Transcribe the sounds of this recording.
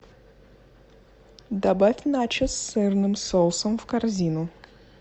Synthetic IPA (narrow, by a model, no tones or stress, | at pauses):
d̪ɐbafʲnat͡ɕɪsːɛrnɨmsolˠsəmfkarzʲinʊ